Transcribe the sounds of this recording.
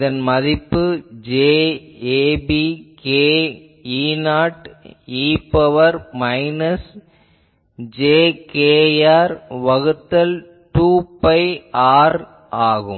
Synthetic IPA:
ðɐnmɐðɪpːɯd͡ʒeːeːbikeː | iːnaːʈiːpːɐʋɐɾmɐɪnɐs | d͡ʒeːkeːjaːɾʋɐɣɯt̪ːɐl | ʈuːpɐɪaːɾ | aːɣɯ̰

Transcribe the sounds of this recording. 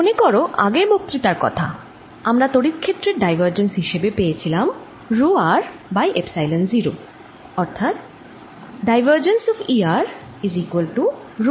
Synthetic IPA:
monekɔɾoʔa̰ɡemok̚t̪ɾit̪aɾkɔ̰t̪ʰa̰ | amɾat̪oɽit̪kʰet̪ːɾeɖajbʱaɾd͡ʑensɦiʃebepejet͡ɕʰilam | ɾuaɾ | bajʔepsajlenziɾo | ɔɾt̪ʰat̪̚ | ɖajbəɾd͡ʑensɔfiaɾ | izikuwelʈu | ɾ

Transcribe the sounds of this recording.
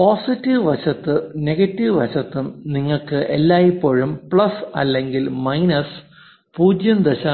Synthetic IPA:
poːsitːiʋʋɐɕɐt̪ːɨne̞ɡɐtːiʋʋɐ̰ɕɐt̪ːumniŋːɐɭkɨʔḛlːaːjipːoːɻumpɭɐsɐ̰lːe̞ŋɡilmɐjnɐs | puːd͡ʑjɐmd̪ɐɕaː

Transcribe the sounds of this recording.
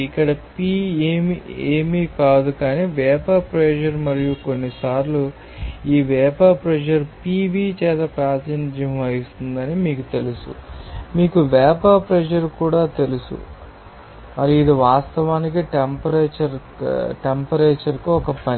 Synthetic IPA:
ikːɐɽɐpiːeːmieːmikaːd̪ukaːniːʋɛːpaːpɾɛd͡ʒɐɾmɐɾijuko̞nːisaːɾlu | iːʋɛːpaːpɾɛd͡ʒɐɾpiːʋiːt͡ʃɛːt̪ɐpɾaːt̪ɐnd͡ʒjɐmɐjust̪und̪ɐnimiːkut̪e̞lusṵmiːkuʋɛːpaːpɾɛd͡ʒɐɾkuːɽaːt̪e̞lusṵ | mɐɾiid̪iʋaːst̪ɐʋaːnik̬iʈempɐɾet͡ʃɐɾ | ʈempɐɾeːt͡ʃɐɾkuɔkɐpɐni

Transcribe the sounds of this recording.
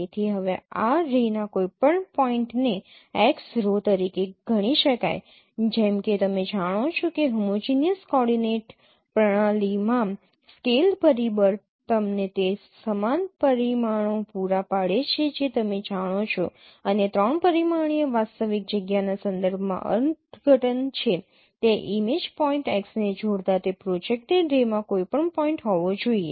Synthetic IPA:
et̪ʰiɦəʋeaɾinakoipəɳpɔiɳʈne | eksɾot̪əɾikeɡʱəɽ̃iʃəka̰j | d͡ʒɛmket̪əmed͡ʒaɽ̃ot͡ʃʰokeɦəmot͡ʃinijəskɔɽineʈ | pɾəɽ̃alimã | skelpəɾibəɾ | t̪əmnet̪esəmanpəɾimaɳ̃opuɾapaɭet͡ʃʰed͡ʒet̪əmed͡ʒaɽ̃ot͡ʃʰo | ənet̪ɾɔɳpəɾimaɳ̃ijəʋat̪st̪əʋik̚d͡ʒəɡjanasənd̪əɾbʱmã̰ʔə̰nt̪ɡʱəʈənt͡ʃʰe | t̪eʔimed͡ʒpɔĩɳʈeksned͡ʒʱoɽt̪at̪epɾod͡ʒek̚ʈeɖɾemãkoipəɳpɔĩɳʈɦɔʋod͡ʒoie

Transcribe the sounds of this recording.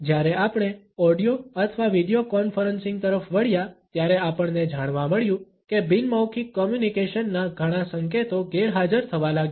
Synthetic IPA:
d͡ʒjaɾɛʔapɽ̃e | ɔɖijoət̪ʰʋaʋiɖijokɔnfəɾənsɪ̃ŋɡt̪əɾəfʋəɭjat̪jaɾeapəɳned͡ʒaɽ̃ʋaməɭjũ | kebinmawkʰikːɔmjunikeʃənːaɡʱəɽ̃ãsəŋket̪oɡeɾɦad͡ʒəɾt̪ʰəʋalaɡj

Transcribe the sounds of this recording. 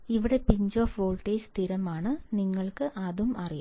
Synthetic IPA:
iʋiɽe̞piɲd͡ʑoːfʋoːɭʈeːst̪ʰiɾɐmaːɳɨniŋːɐɭkɨʔɐðumɐrija̰

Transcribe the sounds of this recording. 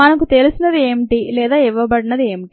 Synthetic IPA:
ɐnɐkut̪e̞lusinɐd̪ie̞ːmʈilɛːd̪aːiʋɐbɐɽinɐd̪ie̞ːmiʈi

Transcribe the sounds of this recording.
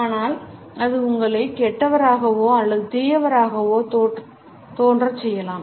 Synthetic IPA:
aːnaːl | ɐðɯʊŋɡɐɭɐɪkɛʈːɐʋɐɾaːɣɐʋoːɐlːɐðɯt̪ɛjɐʋɐɾaːɣɐʋoːt̪oː | t̪oːndrɐsɛjːɐlaːm

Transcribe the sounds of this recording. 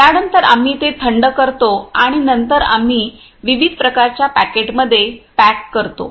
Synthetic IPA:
t̪aɽənt̪əɾa̰m̤iːt̪et̪ʰəɳɖəkəɾt̪oaɽ̃inənt̪əɾa̰m̤iː | ʋiʋid̪ʱpɾəkaɾt͡ɕjapæ̰keʈməd̪ʱːjepækkəɾt̪o̰

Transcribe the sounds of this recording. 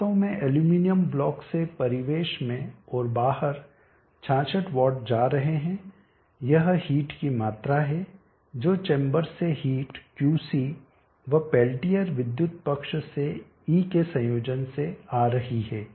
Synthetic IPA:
õmẽʔeljuːminijəmblɔːksepɐɾɪʋeːʃmẽɔːɾbaːɦəɾ | t͡ʃʰãːt͡ʃəʈʋɔːɾɖd͡ʒaːɾɐɦeɦɛ̃ | jɐɦhiːʈkimaːt̪ɾaɦɛ | d͡ʒoːt͡ʃẽːmbəɾseɦiːʈkjuːsiː | ʋɐpɛːlʈijəɾʋɪd̪jʊt̪̚pɐkʃse | iːkesɐ̃joːd͡ʒənseaːɾɐɦiɦɛː

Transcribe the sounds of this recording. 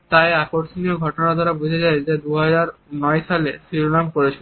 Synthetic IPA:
t̪aeakoɾsonioɡʱɔʈonad̪aɾabud͡ʑʱed͡ʑaed͡ʑed̪uɦad͡ʑaɾnɔeʃalesiɾonamkoɾet͡ɕʰe

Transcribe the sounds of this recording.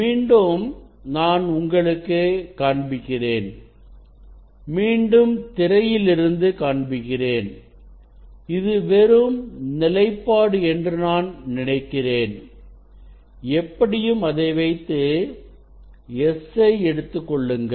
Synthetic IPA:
miːɳɖɯm | naːnʊŋɡɐɭɯkːeːkaːɳbɪɣɪreːn | miːɳɖɯmt̪ɪɾɐjɪlɪɾɯnd̪ɯkaːɳbɪɣɪreːn | ɪðɯʋɛɾɯmnɪlɐɪpːaːɽɯɛndrɯnaːnnɪnɐɪkːɪreːn | ɛpːɐɽɪjɯmɐðɐɪʋɐɪt̪ːɯ | ɛsɐɪɛɽɯt̪ːɯkːɔɭːɯŋɡɐ

